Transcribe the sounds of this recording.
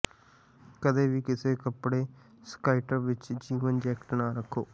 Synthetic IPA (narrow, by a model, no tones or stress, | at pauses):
kəd̪eːʋiːkɪseːkəpɽeː | skaːɪʈəɾʋɪt͡ʃd͡ʒiːʋənd͡ʒɛːkʈnaːɾəkʰːoː